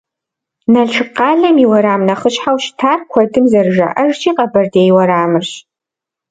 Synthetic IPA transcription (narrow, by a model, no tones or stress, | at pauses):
nɐɮʈ͡ʂʰɨqɑːɮɐmiwɐɾaːmnɐχəɕħawʃtʰaːrkʷʰɐdɨmzɐrʒɐ̰ʔɐʒt͡ʃʰiːqʼɐbɐrdejwɐɾaːmɨɕ